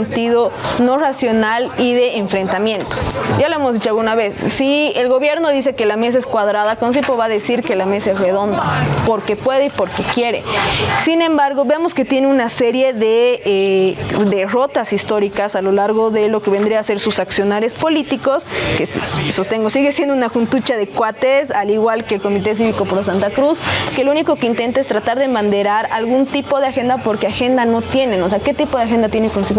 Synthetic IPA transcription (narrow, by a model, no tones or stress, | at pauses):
nt̪iðono̞rasjo̞naliðe̞ːɱfɾe̞nt̪amjẽ̞nt̪o̥jaloe̞mozðit͡ʃoalɣunaβe̞sːielɣo̞βje̞ɾno̞ðis̬e̞ke̞lame̞s̬aeskwaðɾaðakons̬ipoβaðesiɾke̞lame̞saesre̞ðo̞nd̪a̰po̞ɾke̞pwe̞ðeipo̞ɾkekje̞ɾḛsinẽ̞mbaɾɣo̞βe̞mo̞ske̞t̪je̞neunase̞ɾje̞ðeeðero̞t̪asist̪o̞ɾikasalo̞laɾɣo̞ðe̞lo̞keβe̞nd̪ɾiaːse̞ɾsusaksjo̞naɾe̞spo̞lit̪iko̞skesso̞st̪eŋɡosiɣesjend̪ounaxunt̪ut͡ʃaðe̞kwat̪esaliɣwalkeːlko̞mit̪e̞s̬iβikopɾosant̪akɾuske̞louniko̞keint̪e̞nt̪aest̪ɾat̪aɾðemband̪e̞ɾaɾalɣunt̪ipo̞ðeaxe̞nd̪apo̞ɾkeaxe̞nd̪ano̞t̪je̞nenos̬eake̞t̪ipo̞ð̞eaxe̞nd̪at̪jenekonsiɣ